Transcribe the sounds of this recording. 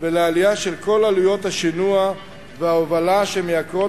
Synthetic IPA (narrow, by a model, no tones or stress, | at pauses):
velealijaʃelko̞lalujo̞t̪haʃinua | veaovalaʃemejakʁo